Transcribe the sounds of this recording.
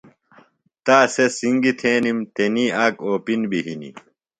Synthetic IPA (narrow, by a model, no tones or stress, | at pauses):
t̪aːsesiŋɡit̪ʰẽːnimt̪eniːaːkoːpinbiɦinḭ